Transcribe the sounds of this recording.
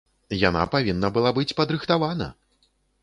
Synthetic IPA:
ja̰na̰pavʲinːɐbɨlˠabɨt͡sʲpɐd̪ɾɨxt̪avanɐ̰

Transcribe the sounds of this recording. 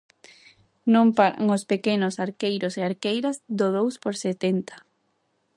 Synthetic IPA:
nõmpaɾa̰ŋospekenosaɾkejɾoseaɾkejɾazd̪oðowspoɾset̪ent̪ḁ

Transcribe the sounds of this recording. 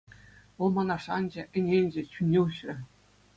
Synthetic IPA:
ʋɤ̆lˠmɑnɑʂɑnd͡ʑɘ̆ʔɘ̆nʲenʲd͡ʑĕt͡ɕynʲeɕɘ̆

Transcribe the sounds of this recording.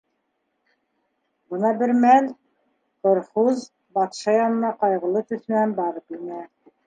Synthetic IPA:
bɤ̆nɑbɘɾmæl | qŏɾχuz | bɑt̪ʃɑjɑnɤ̆nɑqɑjʁɤ̆lˠɤt̪ɵ̆θɘ̆nænbɑɾɤpinæ

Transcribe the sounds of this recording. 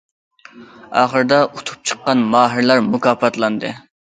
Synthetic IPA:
ɑ̰ːχəɾd̪ɑʔut̪ʰu̥p̚t͡ʃʰə̥qːɑnmɑːɦəɾlˠɑɾmukɑːpɑt̪lˠɑnd̪ɨ̰

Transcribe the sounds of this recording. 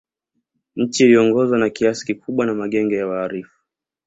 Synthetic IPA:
ɲ̩t͡ʃiːliɔŋɡɔzwanakiasi̥kikuɓwanamaɠɛŋɡɛjawaːɾifu̥

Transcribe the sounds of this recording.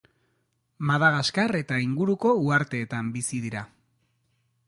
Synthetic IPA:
maðaɣaskare̞t̪aiŋɡuɾuko̞uaɾt̪e̞ːt̪ambisiðiɾa

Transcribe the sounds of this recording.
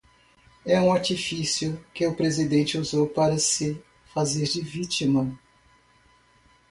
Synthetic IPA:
ɛũaɾt͡ʃifisjʊkɪʊpɾezid̪ẽnt͡ʃɪuzowpaɾɐsɪ | fazeɾd͡ʒɪvit͡ʃimɐ

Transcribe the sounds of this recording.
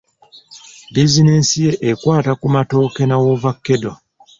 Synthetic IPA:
bizinesije̞ʔekwaːtakumato̞ːke̞nawovakːe̞do

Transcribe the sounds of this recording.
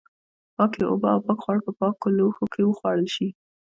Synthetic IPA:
pɑkjeʔobɑawpɑkxwɑɽpəpɑkːoloxokʰewəxwɑɽəlʃi

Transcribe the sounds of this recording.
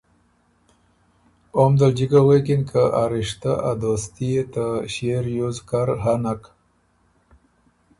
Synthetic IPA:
omd̪əld͡ʒikawekinkʰaʔaɾiʂt̪aʔa̰d̪ost̪iet̪aɕeɾjozkaɾɦanak

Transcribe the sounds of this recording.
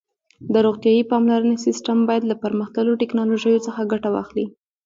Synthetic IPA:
d̪əɾoɣt̪jɑjipɑmlaɾənesisʈambɑjad̪lapəɾməxt̪əloʈɪknɑloʒəjot͡səxaɡaʈawɑ̰xli

